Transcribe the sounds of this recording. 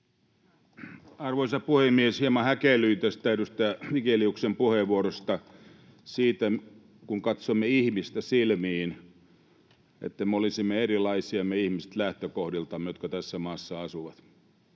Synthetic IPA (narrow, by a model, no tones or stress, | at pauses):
ɑrʋoisɑpuhemːieshiemɑhækelyit̪est̪æyɾyst̪æikeliuksempuheʋʋuoɾost̪ɑ | siːt̪æ | kuŋkɑt̪somːeihmist̪æsilmiːn | ḛt̪ːæmeolisimːeerilˑɑisiɑmːeihmise̥t̪læht̪økohdilt̪ɑmːejot̪kɑt̪æsːæmɑːsːɑɑsuʋɑt̪